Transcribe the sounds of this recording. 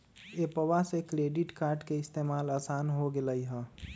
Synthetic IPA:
epəʋasekɾeɖiʈkaːɾɖkeɪst̪emaːlaːsanɦoɡeləjɦə

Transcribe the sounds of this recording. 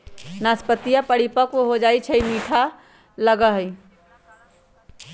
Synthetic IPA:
naspət̪ijapəɽipəkwoɦod͡ʒaːit͡ʃʰəimiːʈʰa | ləɡəɦəi

